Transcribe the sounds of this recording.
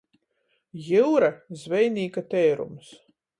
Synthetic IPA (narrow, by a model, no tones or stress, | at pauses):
jiwɾazvɛjniːkat̪ɛːɾṵms